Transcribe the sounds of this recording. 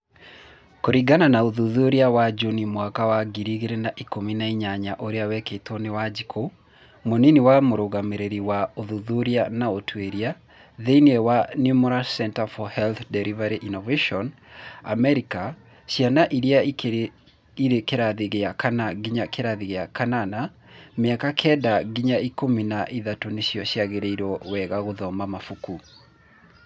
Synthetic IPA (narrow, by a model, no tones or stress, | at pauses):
koɾiɡananaoðuðuɾiawad͡ʒunimwakawaɡiɾiɣeɾenaʔikominaiɲaɲaʔoɾeawɛketɔnewad͡ʒikʰo | moniniwamoɾoɣameɾeɾiwaoðuðuɾianaotʰweɾia | ðeiniɛwanjumɛɾasɛntafɔhɛlθdɛɾivaɾiʔinɔveʃɔn | a̰mɛɾika | ɕjanaʔiɾia | iɾekeɾaðiɣeakanaɡiɲakeɾaðiɣeakanana | meakakʰɛdaɡiɲaikominaʔiðatoneɕjɔɕjaɣeɾeiɾɔwɛɣaɣoðɔmamafuku